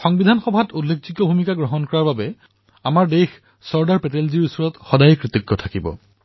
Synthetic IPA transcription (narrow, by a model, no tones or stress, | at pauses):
xɔŋbidʱanxɔbʱatulːekʰziɡːɔbʱumikaɡɹɔɦɔnkɔɹaɹbabɛ | amaɹdejx | sɔɹdaɹpɛtelziɹisuɹɔtxɔdajɛkɹit̪iɡːɔtʰakibɔ̰